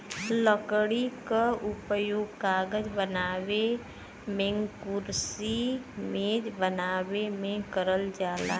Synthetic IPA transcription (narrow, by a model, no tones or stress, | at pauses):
ləkɽikaʊpjoːɡkaːɡəd͡ʒbənaːwe | mẽŋkuɾsimẽd͡ʒbənaːwemẽkəɾəld͡ʒaːla